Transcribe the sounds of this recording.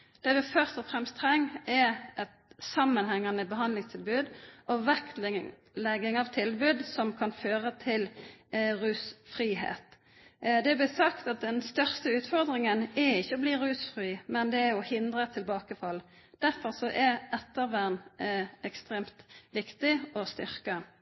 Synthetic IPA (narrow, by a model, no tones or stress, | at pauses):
d̪̥ɛːʋɪfœʁst̪ɔfʁɛmst̪ʰɾɛŋːɛɛt̪sɑmːənhɛŋːɑnəbəɦɑnlɪŋst̪ʰɪlbʉːd̪ʔɔʋæk̪ | lɛɡːɪŋɑʋt̪ʰɪlbʉːd̪sɔmkʰɑnføːʁət̪ʰɪl | ɾʉːsfɾiːɦḛːt̪ | d̪ɛæblɪsɑkt̪ɑt̪̚d̪ɛnst̪œʁst̪əʉːt̪fɔʁd̪ʁɪŋənɛɾɪçːəɔbliːɾʉːsfʁiːmɛnd̪ɛæʊhɪnd̪ʁət̪ʰɪlbɑːkəfɑl | d̪̥æʁfɔʁsɔʔɛɛt̪ːəʁʋænɛkst̪ʁeːmt̪ʋɪkt̪ɪɔst̪ʏ̰ʁkə